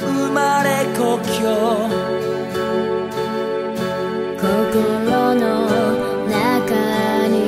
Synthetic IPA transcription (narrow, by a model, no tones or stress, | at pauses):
umaɾekɔkʰjɔ | kɔkolɔnɔ | nakani